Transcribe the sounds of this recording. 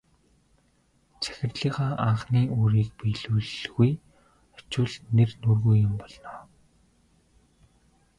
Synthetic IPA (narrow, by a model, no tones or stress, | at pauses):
t͡sæ̥xʲɪ̆rɮiːχaːʔaɴχniːʔoːɾiːk̚piɮuːɮɣuj | ɔ̥t͡ɕʊːɮnernurɣujːʊmpɔɮnɔː